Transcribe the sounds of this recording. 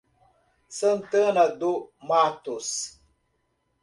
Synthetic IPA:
sən̩tənadumatus

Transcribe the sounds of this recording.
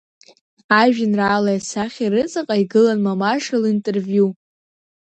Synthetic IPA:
aʒᶣɪnraːlajasaχʲiɾɨt͡sʼɨqʼaiɡɨlanmamaʂalintʼervju

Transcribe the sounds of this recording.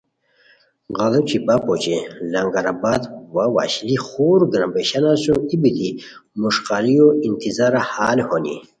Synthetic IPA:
ʁalot͡ɕibapɔt͡ɕelaŋɡaɾabad̪wawa̰ɕliχuɾɡɾambeɕanasuibit̪i | muʂqaɾijoint̪ʰizaɾahalhonḭ

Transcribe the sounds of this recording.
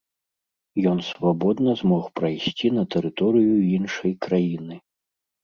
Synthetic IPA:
jɔnsvabɔd̪nɐzmɔxpɾɐjsʲt͡sʲinɐt̪ɛɾɨt̪ɔɾɨjuinʂɐjkɾajinɨ

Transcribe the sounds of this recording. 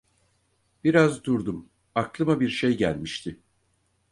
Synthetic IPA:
b̥iɾazd̪uɾd̪um | aklˠɯmabiɾʃejɟæ̰lʲmiʃt̪ʰɪ

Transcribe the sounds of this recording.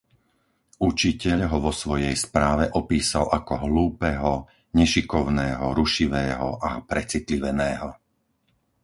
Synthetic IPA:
ut͡ʃicɛʎɦɔʋɔsʋɔjɛjspɾaːʋɛʔɔpiːsalʔakɔɦluːpɛːɦɔ | ɲɛʃikɔʊnɛːɦɔɾuʃiʋɛːɦɔ̰ʔapɾɛt͡sit̪liʋɛnɛːɦɔ

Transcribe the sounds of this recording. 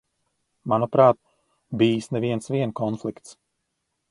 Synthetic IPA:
manɔpɾaːt̪̚ | biːsnɛviɛnsviɛnkɔnflˠikt̪s

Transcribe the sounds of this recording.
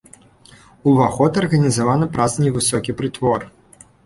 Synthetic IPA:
uvaxɔt̪ɐrɣɐnʲizavanɐpɾaznʲɛvɨsɔkʲipɾɨt̪vɔr

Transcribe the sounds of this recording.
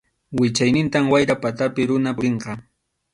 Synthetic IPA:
wɪt͡ʃajnɪnt̪amwajɾapat̪apɪɾʊnaɾeɴqɑ

